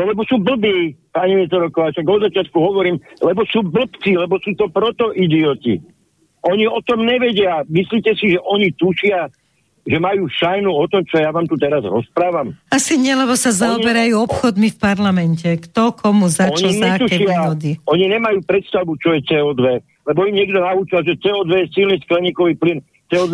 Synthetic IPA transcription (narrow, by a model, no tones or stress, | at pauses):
lɛbɔsuːbl̩biːpaɲimiɛt̪ɔɾɔkɔʋaːʃaɡɔd̪zat͡ʃɪat̪̚kuɦɔʋɔɾiːmlɛbɔsuːbl̩pt͡siːlɛbɔsuːt̪ɔpɾɔt̪ɔʔid̪iɔt̪ḭ | ʔɔɲiɔt̪ɔmɲɛʋɛɟɪamisliːcɛsiʒɛʔɔɲit̪uʃɪa | ʒɛmajuːʃajnuɔt̪ɔmt͡ʃɔjaʋaːmt̪ut̪ɛɾazɾɔspɾaːʋamasiɲɪɛlɛbɔsazaɔbɛɾajuːɔpxɔd̪mifpaɾlamɛncɛkt̪ɔkʰɔmuzaɲɔlzɛkt̪uɛʃɪaɦɔd̪iɔɲiɲɛmajuːpɾɛt̪st̪aʋut͡ʃɔjɛt͡sɛːɔːd̪ʋɛ | lɛbɔimɲɪɛɡd̪ɔnaut͡ʃalʒɛt͡sɛɔd̪ʋɛjɛsilnisklɛɲiːkɔʋiːplin | t͡sɛɔːd̪